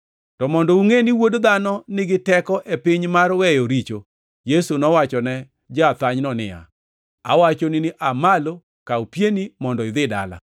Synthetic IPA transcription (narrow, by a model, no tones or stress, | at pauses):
tɔmɔndɔuŋeniwodd̪anɔnɪɡɪtɛkɔʔepɪɲmarwɛjoɾit͡ʃo | jesunɔwat͡ʃɔnɛ | d͡ʒaat̪aɲnɔnɪ̰ja̰ | a̰wat͡ʃonɪnɪʔamalo | kaupjenimɔndɔɪd̪ɪda̰la̰